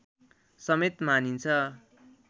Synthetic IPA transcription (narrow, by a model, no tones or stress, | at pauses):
sʌmet̪manint͡sʰʌ